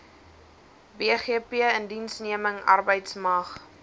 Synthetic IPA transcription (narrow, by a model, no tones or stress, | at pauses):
beːχiəpiəəndinsniəməŋɐ̰rbəjtsmɐχ